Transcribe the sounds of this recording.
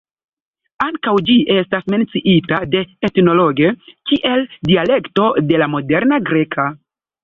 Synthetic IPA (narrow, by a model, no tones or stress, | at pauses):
aŋkawd͡ʒiʔe̞stasme̞nt͡siʔitade̞etno̞lo̞ɡekiʔe̞ldiale̞kto̞de̞lamo̞de̞ɾnaɡɾe̞kʰa